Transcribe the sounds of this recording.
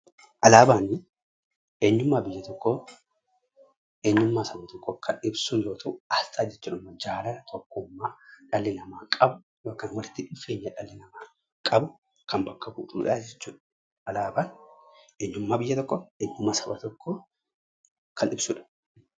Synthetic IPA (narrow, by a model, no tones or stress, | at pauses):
ʔɐlaːbaːnɪ | ʔeːɲːʊmːaːbɪjːɐt̪ɔkːo | eːɲːʊmːaːsɐbɐt̪ɔkːɔkʰɐnɪbsʊjoːt̪ʰɐʔɐst̪ʰaːd͡ʒɛt͡ʃːʊːᶑʊmːɐd͡ʒaːlɐnɐt̪ʰɔkːʊmːaːᶑɐlːɪnɐmaːkʼɐbʊ | joːkːɐnwɐlɪt̪ːɪᶑɪfe̞ːɲːɐᶑɐlːɪnɐmaː | kʼɐbʊ | kʰɐnbɐkːɐbuːᶑṵːᶑaːd͡ʒɛt͡ʃːuːᶑɐ̥ | ʔɐlaːbaːnʔeːɲːʊmːaːbɪjːɐt̪ɔkːɔeːɲːʊmːasɐbɐt̪ɔkːoː | kʰɐnɪbsʊᶑɐ̥